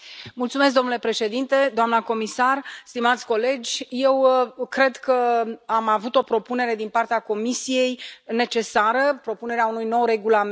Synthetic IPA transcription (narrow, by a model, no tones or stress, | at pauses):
mult̪sumesk̚d̪o̞nule̞pɾe̞ʃe̞d̪int̪e̞d̪oamnəko̞misarst̪imat̪sʲko̞le̞d͡ʒʲje̞wkɾe̞d̪kəamavut̪o̞pɾo̞pune̞ɾe̞d̪inpart̪eako̞misije̞jne̞t͡ʃe̞saɾəpɾo̞pune̞ɾeaunujno̞wre̞ɡulam